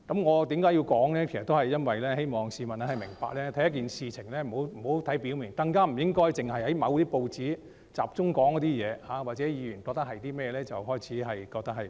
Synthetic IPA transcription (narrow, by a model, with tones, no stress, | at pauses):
kɐ˨˥mŋɔː˨˧t̪iː˨˥mkaː˨˥jiː˧wkɔː˨˥ŋlɛː˥kʰe˨˩sɐ˨t̪o˥whɐ˨jːɐ˥nwɐ˨jlɛː˥he˥jmɔː˨ŋsiː˨˧mɐ˨na˥hɐ˨jmɪ̰˨˩ŋpa̰ː˧k̚lɛː˥t̪ʰɐ˨˥jɐ˥k̬iː˨nsiː˨˧t͡sʰɪ˨˩ŋlɛː˥m̩˨˩ho˨˥wm̩˨˩ho˨˥wt̪ʰɐ˨˥jpi˨˥wmi˨˩ŋt̪ɐ˧ŋkaː˥m̩˨˩jɪ˥ŋkɔː˥jt͡sɪ˨˩ŋhɐ˨jhɐ˨˦jmɐ˨˧wt̪iː˥po˧wt͡siː˨˥ | t͡sa̰ː˨p̚t͡sʊ˥ŋkɔː˨˥ŋkɔ˨˧˥t̪iː˥jɛː˨˧haː˨˥waː˨˩t͡sɛ˨˥jiː˨˧jyː˨˩nkɔː˧k̚t̪ɐ˥hɐ˨jt̪iː˥mɛː˥˧lɛː˥t͡sɐ˨wɦɔː˥jt͡sʰiː˨˥ɦɐ˨jkɔː˧k̚t̪ɐ˥hɐ˨j